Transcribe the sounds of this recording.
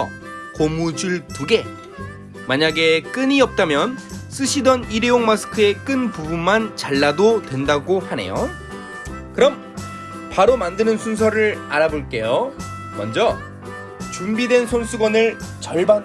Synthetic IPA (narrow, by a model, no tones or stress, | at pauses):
ʌ | komud͡ʑuɭtuɡe̞ | maɲaɡe̞k͈ɯɲiʌp̚t͈amjʌns͈ɯɕʰidʌniɾejoŋmasʰɯ̥kʰɯe̞k͈ɯnpubunmant͡ɕaɭːadotwe̞ndaɡohane̞̰jo | kɯɾʌm | paɾomandɯnɯnsʰunsʰʌɾɯɾaɾaboɭk͈e̞jo | mʌnd͡ʑʌ | t͡ɕumbidwe̞nsʰonsʰuɡwʌnɯɭt͡ɕʌɭba